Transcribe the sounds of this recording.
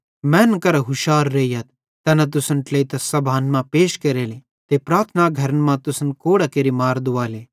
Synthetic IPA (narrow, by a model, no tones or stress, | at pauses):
mɛ̃ːnkɐɾɦʊʃaːɾːeːijɐt̪ | t̪ɛːnɐt̪̬ʊsənʈleit̪ɐsɐbʱaːnmãpeːʃkeːɾeːle | t̪epɾaːt̪ʰnaɡʱɐɾənmãt̪ʊsənkoːɽakeːɾimaːɾd̪ʊʋaːleː